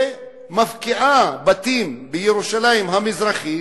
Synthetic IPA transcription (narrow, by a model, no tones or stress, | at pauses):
mafkiʔabat̪imbejeɾuʃalajimɦamizɾaχi